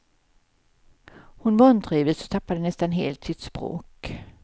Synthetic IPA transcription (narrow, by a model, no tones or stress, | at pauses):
hʊnvant̪ɾiːvəsɔ̥t̪ʰapːad̪ənɛst̪anɦeːlt̪sɪt̪spɾo̰ːk